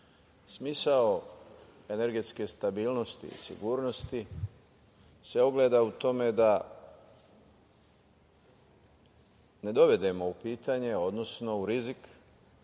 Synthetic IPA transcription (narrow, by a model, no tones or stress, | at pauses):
smiːsao | e̞ne̞ɾɡe̞t̪skest̪abiːlˠno̞st̪ḭḭsḭɡuːɾno̞st̪i | se̞oɡle̞ːd̪aut̪o̞me̞d̪a | ne̞d̪o̞ʋe̞d̪e̞mo̞upiːt̪aɲe̞o̞d̪no̞sno̞uɾizik